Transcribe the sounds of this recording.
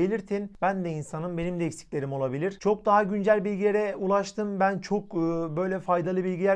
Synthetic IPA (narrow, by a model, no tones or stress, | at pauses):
elʲiɾt̪ʰinbænd̪ɛinsanɯmbe̞nimd̪ɛicsi̥cʲlʲe̞ɾimo̞lˠabilʲiɾ̥t͡ʃʰo̞k̚d̪aɦaɟynd͡ʒælʲbilʲɡɟilʲeɾɛulˠaʃt̪ʰɯmbænt͡ʃʰo̞kːbø̞jlʲɛfajd̪alˠɯbilʲɟilʲæ